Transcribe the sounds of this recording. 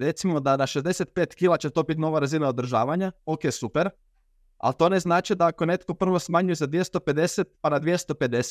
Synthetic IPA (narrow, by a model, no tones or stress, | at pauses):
ɾe̞t̪simo̞d̪anaʃezd̪e̞set̪̚peːt̪kiːlˠat͡ɕet̪o̞ːbit̪no̞ʋaɾazinaod̪r̩ʒa̰ːʋaɲaokeːsupeɾ | a̰lt̪o̞ːne̞znaːt͡ʃid̪aako̞ne̞t̪ko̞pr̩ʋo̞smaːɲujezad̪ʋje̞st̪o̞pe̞d̪e̞set̪̚panad̪ʋjest̪o̞pe̞d̪e̞s